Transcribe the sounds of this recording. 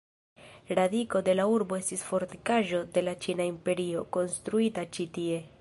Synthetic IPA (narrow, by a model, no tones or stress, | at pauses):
ɾadiko̞de̞lauɾbo̞e̞stisfo̞ɾtikaʒo̞de̞lat͡ʃinaimpe̞ɾio̞ko̞nstɾuitat͡ʃitie̞